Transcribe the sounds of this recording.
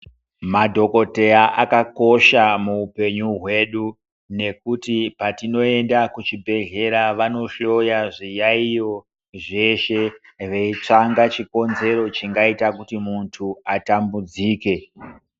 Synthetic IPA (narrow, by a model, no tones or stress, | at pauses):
madʱo̞ko̞te̞aʔakako̞ʃamuːpe̞ɲuɦwe̞ɗu | ne̞kutipatino̞e̞ndakut͡ʃibʱe̞ɮe̞ɾaʋano̞ʃo̞jaʐijaijo̞ | ʐe̞ʃe̞ | ʋeit͡ʂaŋɡat͡ʃiko̞nze̞ɾo̞t͡ʃiŋɡaitakutimuntʰuatambud͡ziːke̞